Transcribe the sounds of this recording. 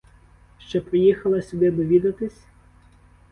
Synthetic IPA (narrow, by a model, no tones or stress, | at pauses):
ʃt͡ʃɔpɾɪjixɐlˠɐsʲʊd̪ɪd̪ɔʋʲid̪ɐt̪ɪsʲ